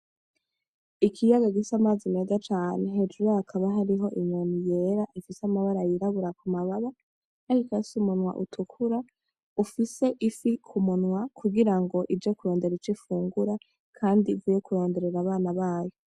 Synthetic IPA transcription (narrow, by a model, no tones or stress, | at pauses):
ikʰijaɡaɡisamaːzime̞zat͡ʃaːne̞ɦed͡ʒuɾahakʰaβaɦaɾiɦo̞ʔiɲonije̞ɾaʔifisamaβaɾajiɾaβuɾakumaβaβa | aikasumunwa̰ʔutʰukʰuɾa | ufise̞ʔifikʰumunwakuɡiɾaŋɡo̞ʔid͡ʒokuɾo̞ːnde̞ɾit͡ʃifuːŋɡuɾa | kʰaːndivuːjekuɾo̞ːnde̞ɾe̞ɾaβaːnaβaːjo